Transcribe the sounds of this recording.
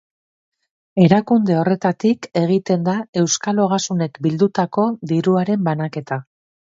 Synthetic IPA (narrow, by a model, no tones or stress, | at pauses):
e̞ɾakund̪e̞o̞re̞t̪at̪ike̞ɣ̞it̪e̞nd̪ae̞wskalo̞ɣ̞asune̞kbild̪ut̪ako̞d̪iɾuaɾe̞mbanake̞t̪a